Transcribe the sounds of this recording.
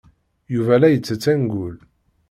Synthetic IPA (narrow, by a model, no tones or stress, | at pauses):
juvælæjət͡sːət͡sːænɡʊl